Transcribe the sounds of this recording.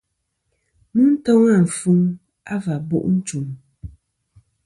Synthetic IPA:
mɨ˦n̩˦tɔ˦ŋa˦˨n̩˨fu˦ŋ | a˦va˨bo̰˦˨ʔn̩˦t͡ʃu˨m

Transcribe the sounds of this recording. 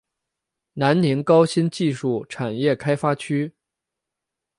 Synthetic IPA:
na˧˥nni˧˥ŋkɑ˥ʊɕi˥nt͡ɕi˥˧ʂu˥˩ʈ͡ʂʰa˨˩njɛ˥˩kʰa˥ɪfa˥t͡ɕʰy˥

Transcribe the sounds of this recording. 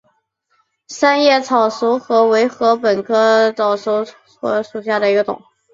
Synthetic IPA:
sa˥njɛ˥˩t͡sʰɑ˨˩ʊʂu˧˥xɤ˧˥we˧˥ɪxɤ˧˥pə˨˩nkʰɤ˥t͡sɑ˨˩ʊʂo˧˥ʊ | ɔ̰˧˥ʂu˨˩ɕ̬ja˥˩d̪ə˩i˧˥ɡə˧t̪ʊ̰˨˩˦ŋ

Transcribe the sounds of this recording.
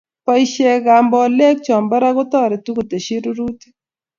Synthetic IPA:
pa˦iʃe˨ɣa˨mbɔ˨le˦k̚t͡ʃɔ˨mba˦ɾa˦ɣʊ˦tɔ˦˨ɾɪ˨tu˦ku˨te˨ʃi˦ɾu˦ɾu˦ti̥˦

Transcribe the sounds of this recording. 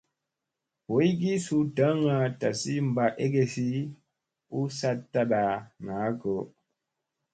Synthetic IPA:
wo˨˦i˦ɡi˦su˦ta˨˦ŋa˨ta˨si˦m̩˨ba˨e˦ɡe˦si˦ | u˦sa˦tːa˦ɗa˨ŋa˨˦ko˨˦

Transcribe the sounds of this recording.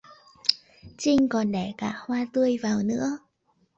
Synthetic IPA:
t͡ɕï˧ŋ̟kɔ˨˩nɗɛ˧˩kaː˧˩hwaː˧t̪ɨ˧əjvaː˨˩wnɨ̰˧˥ə

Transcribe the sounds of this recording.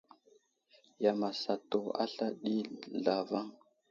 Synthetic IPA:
ja˨ma˨sa˨to˨a̰˦ɬa˦ɗi˦ɮa˨va˦ŋ

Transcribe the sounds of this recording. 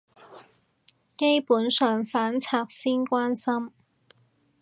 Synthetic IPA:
ke˥jpuː˨˥nsœː˨ŋfaː˨˥nt͡sʰaː˧k̚siː˥nkʷaː˥nsɐ˥m

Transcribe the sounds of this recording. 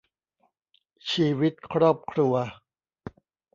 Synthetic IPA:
t͡ɕʰiː˧wi˦˥t̪̚kʰɾɔː˥˩p̚kʰɾu˧ɐ

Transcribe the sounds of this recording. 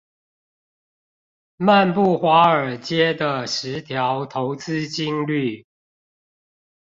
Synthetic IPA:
ma˥˨npu˥˩xwa˨˥˦ə˞˨˩t͡ɕjɛ˥d̪ə˨ʂɻ̩˧˦t̪ʰjɑ˨˧˦ʊt̪ʰo˧˦˥ʊt͡sɹ̩˥˦t͡ɕi˥ŋly˥˨

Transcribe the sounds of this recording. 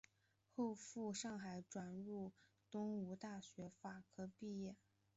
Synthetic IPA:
xo˥˧ʊfu˥˧ʂɑ˥˩ŋxa˨˧˩ɪʈ͡ʂwa˨˩nɻu˥˩ | t̪ʊ˥ŋu˧˥t̪a˥˩ɕɥɛ˧˥fa˨˩kʰɤ˥pi˥˧jɛ˥˩

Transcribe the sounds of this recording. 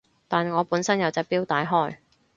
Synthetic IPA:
t̪aː˨nŋɔː˨˧puː˨˥nsɐ˥njɐ˨˧wt͡sɛː˧piː˥wt̪aː˨˥jɦɔː˥j

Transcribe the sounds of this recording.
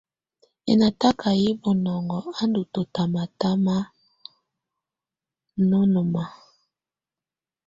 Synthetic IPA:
ḛ˨na˨ta˦ka˨ji˦bo˨nɔ˨ŋɡɔ˨a˦ndu˨to˨ta˨ma˨ta˦ma˦ | no˦no˨ma˨

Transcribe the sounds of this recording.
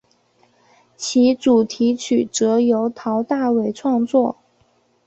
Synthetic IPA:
t͡ɕʰi˧˥ʈ͡ʂu˨˩t̪ʰi˧˥t͡ɕʰy˨˩ʈ͡ʂɤ˧˥jo˧˥ʊt̪ʰɑ˧˥ʊt̪a˥˩we˧˥˩ɪʈ͡ʂʰwɑ˥˧ŋt͡swɔ˥˩

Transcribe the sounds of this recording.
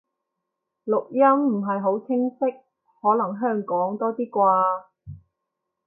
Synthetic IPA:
lʊ˨k̚jɐ˥mm̩˨˩ɦɐ˨jɦo˨˥wt͡sʰɪ˥ŋsɪ˥k̚ | hɔː˨˥lɐ˨˩ŋɦœː˥ŋkɔː˨˥ŋt̪ɔː˥t̪iː˥kʷaː˧

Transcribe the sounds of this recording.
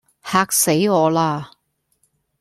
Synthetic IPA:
haː˧k̚se˨˥jɔː˨˧laː˧

